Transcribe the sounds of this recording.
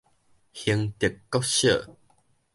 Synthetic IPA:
hi˧ŋt̪i˨˩˨kːɔ˦˥ɕə˥˨

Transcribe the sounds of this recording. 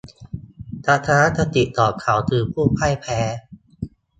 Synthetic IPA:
t̪a˧˥t̪ʰa˧ɾa˦˥t̪ːa˧t̪i˨˩t̪ɔː˨˩kʰa˩˦wt̪ʰɯː˧pʰuː˥˩pʰa˥˩jpʰɛː˦

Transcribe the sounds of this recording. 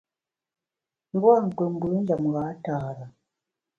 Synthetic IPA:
m˦bwa˦˨ŋ̩˨ke˨ŋ˨ɡu˨˦n˦d͡ʒa˨mu˨ɣa˨˦taː˨ɾa˨

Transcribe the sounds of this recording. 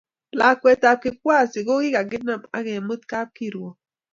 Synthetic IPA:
la˨kwɛ˨ta˨p̚ki˨k̚wa˦˨si˨ɣo˦ɣi˦ɡa˨ɡɪ˦na˦˨ma̰˦ɣɛ˨mɨ˦t̪ka˦p̚ki˦˨ɾwɔ˨

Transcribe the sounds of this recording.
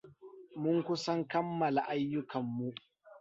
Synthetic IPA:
mʊ˦ŋkʷʊ˦sɐ˦ŋkɐ˦mːɐ˨la˨ʔa˦jːʊ˦kʰɐ˨mːu˦ʔ

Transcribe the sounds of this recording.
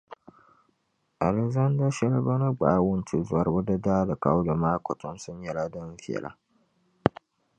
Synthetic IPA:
ʔa˨lɛ˨za˦nda˦ʃɛ˦lba˦na˦ɡ͡baː˨˦wʊ˦nt͡ʃi˨zʊ˨a˨ɾbu˦da˦daː˦da˨ka˦wda˨maː˦kʷɔ˨tɔ˦nsʊ˦ɲ˦jɛ˨la˦dɐ˦nfɪ˦˨ɛ̰˨la̰˦

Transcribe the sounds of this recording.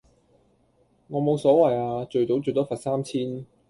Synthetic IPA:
ŋɔː˨˧mo˨˧wsɔː˨˥wɐ˨jaː˧t͡ʃɵ˨ɥt̪o˨˥wt͡ʃɵ˨˧jt̪ɔː˥fɐ˨˩t̚saː˥mt͡sʰiː˥n

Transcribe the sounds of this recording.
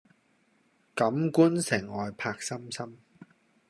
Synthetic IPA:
kɐ˨˥mkuː˥nsɪ˨˩ŋɔː˨jpʰaː˧k̚sɐ˥msɐ˥m

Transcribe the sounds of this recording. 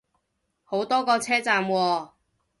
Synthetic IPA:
ho˨˥wt̪ɔː˥kɔː˧t͡sʰɛː˥t͡saː˨˧mwɔː˧

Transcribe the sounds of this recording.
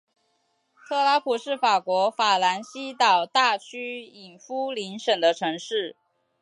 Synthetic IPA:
t̪ʰɤ˥˧la˥pʰu˨˩ʂɻ̩˥˩fa˨˩kwɔ˧˥fa˨˩la˧˥nɕi˥t̪ɑ˨˩ʊt̪a˥˩t͡ɕʰy˥i˨˩nfu˥li˧˥nʂə˨˩ŋd̪ə˦ʈ͡ʂʰɤ˧˥ŋʂɻ̩˥˩

